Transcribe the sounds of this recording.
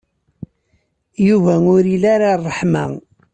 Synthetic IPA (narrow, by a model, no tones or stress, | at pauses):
juvæʊɾilaɾarˤːəħma̰